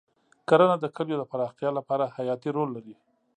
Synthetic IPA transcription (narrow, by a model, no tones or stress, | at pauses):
kaɾanad̪əkəljod̪əpaɾɑxt̪jɑlapɑɾahajɑt̪iɾolːaɾi